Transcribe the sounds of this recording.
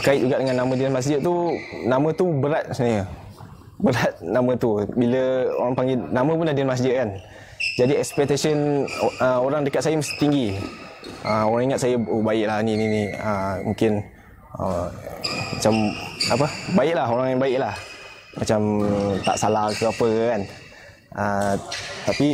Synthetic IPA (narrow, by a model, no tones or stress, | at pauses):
bəkaɪt̪̚d͡ʒuɡaʔdəŋanːamə̃dianmas̬d͡ʒɪt̪̚t̪unamə̃t̪ubəɾat̪̚snajə | bəɾat̪̚namə̃t̪ubiləo̰ɾaŋpaŋɡenamə̃pundadiənmas̬d͡ʒɪʔ̪̚kan | d͡ʒadiɛkspɛk̚t̪asənəoɾaŋdəkat̪̚sajəmst̪iŋɡi | ʔəoɾaŋiŋat̪sajəobaɪʔlahnininiəmũŋkɪn | ə̰ | mat͡ʃamapəbaɪʔ̚laɦoɾaŋjaŋbaɪʔlah | mat͡ʃamt̪a̰ʔsalahkəapəkan | ə | t̪api